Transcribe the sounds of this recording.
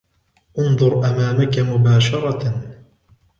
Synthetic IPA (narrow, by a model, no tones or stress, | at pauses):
ʔʊnðˤʊɾˤʔamaːmakamʊbaːʃɑɾˤɑ